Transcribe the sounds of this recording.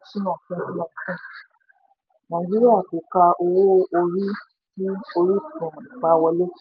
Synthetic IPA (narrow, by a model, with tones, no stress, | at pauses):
ʃĩ˦nã˦˨fɛ̃˧˦di˦ɔ̃˧˨kɛ̃˦˨ | nã˨d͡ʒi˦ɾi˦a˦˨ku˨˦ka˧ʔo˧wo˦o˧ɾi˦ | ti˦o˧ɾi˦˨˦ɾɔ̃˨m˨ĩ˨k͡pa˧˦˧wɔ˧le˦